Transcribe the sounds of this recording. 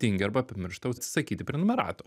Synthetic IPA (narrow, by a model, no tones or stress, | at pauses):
t̪ʲiŋʲɡʲɐɾbɐɐpʲɪmʲɪɾʃt̪ɐʊt̪sʲɪ̥sɐkʲiːt̪ʲɪpʲɾʲɛnʊmʲɛɾɑ̰ːt̪o